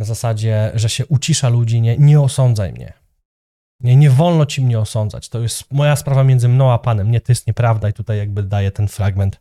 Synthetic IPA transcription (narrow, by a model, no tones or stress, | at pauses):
nazasad͡ʑɛʐɛɕɛʔut͡ɕiʂalud͡ʑiɲɛɲɛɔsɔnd̪zajmɲɛ̰ | ɲɛɲɛvɔlnɔt͡ɕimɲɛɔsɔnd̪za̰t͡ɕt̪ɔjɛst̪mɔjaspɾavamʲjɛnd̪zɘmnɔ̃w̃apanɛmɲɛt̪ɔjɛst̪ɲɛpɾavd̪ait̪ut̪ajːaɡ̚bɘd̪ajɛt̪ɛnfɾaɡmɛnt̪